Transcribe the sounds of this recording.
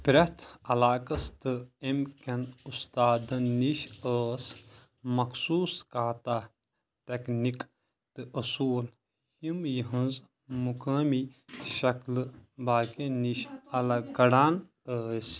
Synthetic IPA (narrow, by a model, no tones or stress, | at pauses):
pɾɐt̪ʰɐlaːkɐst̪ɨemkʲɐnust̪aːd̪ɐnniʃəːs | mɐkʰsuːskaːt̪aː | t̪eknik | t̪ɨʔɐsuːl | himjiɦɐ̃nz | mukɐːmiʃɐklɨbaːkeniʃɐlɐɡɐɽaːn | əːsʲ